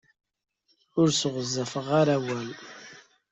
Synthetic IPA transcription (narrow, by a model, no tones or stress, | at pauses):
ʊɾsʁəzːæfəʁaɾæwæl